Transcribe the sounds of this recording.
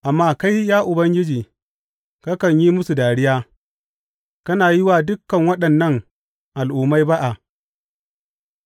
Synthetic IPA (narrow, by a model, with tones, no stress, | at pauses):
ʔa˨mːaː˦ka˦jjaː˦ʔʊ˨bɐ˦ŋɡʲɪ˦d͡ʒiː˨ | kɐ˦kɐ˨ɲji˦mʊ˦su˨daː˨ɽɪ˦jaː˦ | kɐ˦naː˨jɪ˦waː˨dʊ˦kːɐ˨ŋwɐ˦ɗɐ˨nːɐ˦˨ŋ | ʔa˨lʔʊː˨mːa˦jba˦ʔa˨